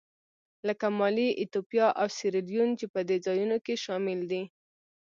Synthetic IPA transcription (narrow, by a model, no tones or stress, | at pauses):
ləkamɑliʔɪt̪opijɑʔawsɪɾeljunt͡ʃepəd̪ed͡zɑjunokeʃɑmɪld̪i